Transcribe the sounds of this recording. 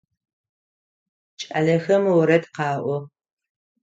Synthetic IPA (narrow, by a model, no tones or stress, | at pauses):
t͡ʃʼɐɮɐxɐmwɔɾɐdqɑːʔʷɔ